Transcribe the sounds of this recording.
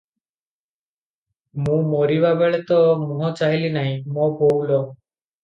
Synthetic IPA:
mũmoɾibabeɭet̪ɔmũɦɔt͡ʃaɦilinaɦĩmɔ̃bowlɔ

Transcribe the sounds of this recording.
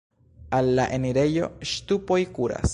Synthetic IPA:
alːaʔeniɾe̞jo̞̰ʃtupo̞jkuɾa̰s

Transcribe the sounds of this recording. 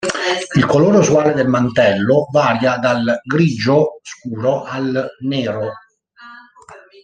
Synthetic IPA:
ilkoloːɾeuswaːled̪elmant̪ɛlːovaːɾjad̪alɡɾid͡ʒoskuːɾoʔalneːɾo

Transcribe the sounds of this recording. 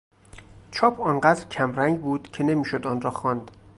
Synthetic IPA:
t͡ʃʰɒːpʰɒnɢæːd̪ɾcʰæmɾæŋɡbuːd̪̥cʰe̞ne̞miːʃod̪ɒːnrɒːxɒːnd̪̥

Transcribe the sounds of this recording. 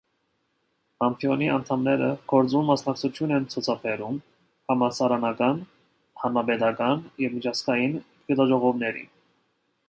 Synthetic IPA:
ɑmpʰiɔniɑnt̪ʰɑmnɛɾəɡ̥ɔɾt͡sunmɑsnɑk̚t͡sʰut͡s̪ʰjunɛnt͡sʰut͡sʰɑpʰɛɾum | hɑmɑsɑɾɑnɑkɑn | hɑnɑbɛt̪ɑkɑnjɛvmit͡ʃʰɑsɡɑjin | ɡɛt̪ɑʒɔʁɔvnɛɾḭn

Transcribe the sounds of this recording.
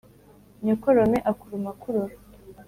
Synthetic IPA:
ɲokoɾomeʔakuɾumakuɾoɾ

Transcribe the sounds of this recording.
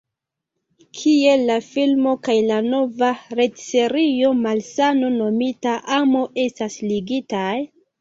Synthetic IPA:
kʰie̞lːafilmo̞kajlano̞vaɾe̞tse̞ɾio̞malsano̞no̞mitaʔamo̞ʔe̞stasliɡitaj

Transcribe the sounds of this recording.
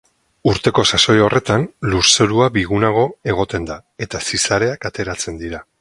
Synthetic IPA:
uɾt̪e̞ko̞saso̞jore̞t̪anluse̞ɾuaβiɣunaɣ̞o̞e̞ɣ̞o̞t̪e̞nd̪ae̞t̪asisaɾe̞akat̪e̞ɾat͡se̞nd̪iɾa

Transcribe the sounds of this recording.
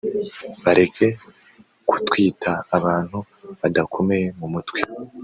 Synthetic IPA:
βaɾe̞kʰe̞ | ku̥twiːtʰaːβaːn̥hu | βadakʰo̞mejemumutwi

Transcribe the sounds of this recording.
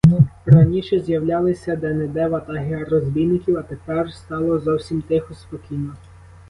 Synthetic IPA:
rɐnʲiʃɛzjɐwlʲɑlˠɪsʲɐd̪ɛned̪ɛʋɐt̪ɑɦeɐrɔzʲbʲijnːɪkʲiwɐt̪epɛrst̪ɑlˠɔzɔwsʲimt̪ɪxʊspɔkʲijnɔ

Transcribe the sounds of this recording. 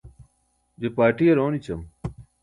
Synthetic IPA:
d͡ʑepaːʈiɐɾoːnit͡ɕɐm

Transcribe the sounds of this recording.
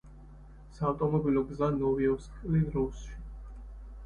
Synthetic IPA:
saːvt̪ʼɔmɔbilɔɡzanɔviɔskʼliɾusʃi̥

